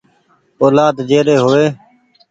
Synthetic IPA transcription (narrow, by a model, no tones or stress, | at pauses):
oːlaːd̪d͡ʒeːɾeːɦoːeː